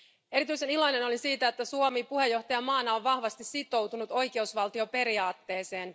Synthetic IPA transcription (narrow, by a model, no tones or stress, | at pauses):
e̞ɾit̪yjse̞nilojne̞no̞lisiːt̪æet̪ːæsuomipuhe̞jːo̞ht̪ɑjɑmɑːnːɑoʋʋɑhʋɑst̪issit̪o̞wt̪unut̪o̞jke̞usʋɑlt̪iope̞ɾiɑːt̪ːe̞ːse̞ːn